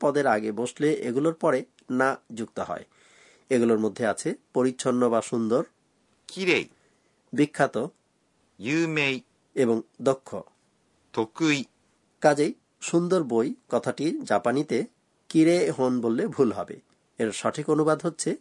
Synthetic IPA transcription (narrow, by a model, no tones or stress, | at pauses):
pɔd̪eɾaɡeboʃleʔeɡuloɾpɔɾe | nad͡ʑuk̚t̪oɦɔ̰e | eɡuloɾmod̪ʱːeat͡ɕʰepoɾiːɕʰonːobaʃund̪oɾ | kiɾej | bikʰːat̪o | jumej | eboŋd̪okʰːo̰ | t̪ʰokːuj | kad͡ʑej | ʃund̪oɾbojkɔt̪ʰaʈid͡ʑapanit̪e | kiɾeɦonbolːebʱulɦɔ̰bḛ | eɾʃɔʈʰikonubad̪ɦotːɕʰe